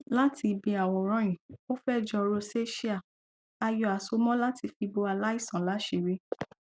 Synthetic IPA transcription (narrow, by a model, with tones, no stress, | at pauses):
la˦ti˧bĩ˧a˨wɔ̃˧˨ɾ̃ã˦j̃ĩ˨o˦fɛ˦˨d͡ʒɔ˧ɾo˧se˦ʃi˦a˦˨ | a˧jɔ˨a˨so˧mɔ̃˦la˦ti˧fi˧bo˧a˧la˦i˦˨sã˨la˨˦ʃe˨˧ɾi˦